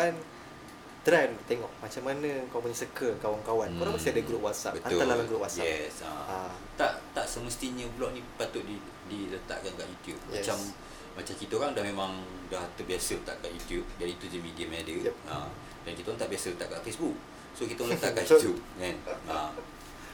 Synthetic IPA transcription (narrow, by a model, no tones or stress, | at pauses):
an | t̪ɾant̪eŋɔʔmat͡ʃamːanə̃kawpuɲəsəkəkawankawankoɾaŋmbəst̪iadəɡuɾupwasa̰ʔbətaoalalamɡɾʊpwasjaɛsa̰a | t̪aʔt̪aʔsəməst̪iɲə̃bulɔʔnĩpat̪ʊʔ̪̚i | dilət̪a̰ʔkankaʔjut̪jup̚mat͡ʃamː | at͡ʃamkit̪əɾaŋdahmemãŋ | daht̪əbiasələt̪a̰ʔkaʔjut̪jup̚d͡ʒadiːt̪ud͡ʒəmidiamadəam | dankit̪aɔŋt̪aʔbiasələt̪aʔkaʔfesbuk̚ | sokit̪aɔŋlət̪aʔajujup̚kanam